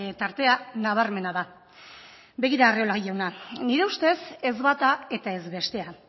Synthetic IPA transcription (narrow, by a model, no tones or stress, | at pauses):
t̪aɾt̪e̞anaβ̞arme̞naða | be̞ɣ̞iɾaːreolaɣiʎawnaniɾe̞ust̪e̞se̞zβat̪ae̞t̪ae̞zβe̞st̪e̞a